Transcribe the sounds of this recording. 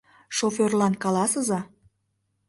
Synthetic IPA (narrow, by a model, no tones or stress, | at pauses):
ʃoferlɑnkɑlɑsə̆zɑ